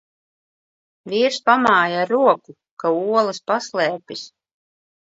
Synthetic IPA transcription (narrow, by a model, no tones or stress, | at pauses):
viːɾspamaːjaaɾuɔku | kauɔlˠɐspaslˠɛːpʲis